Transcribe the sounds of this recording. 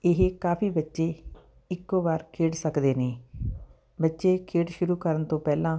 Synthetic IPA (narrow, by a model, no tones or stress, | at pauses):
ɪɦkaːpʰiːbətːʃeː | ɪkːoːbaːɾkʰeːɽsəkd̪eːneː | bətːʃeːkʰeːɽʃʊɾuːkəɾənt̪õːpɛːlãː